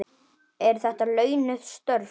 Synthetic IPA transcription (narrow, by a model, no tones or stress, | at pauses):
ɛɾ̥θɛht̪alœːɥnʏðst̪œɾ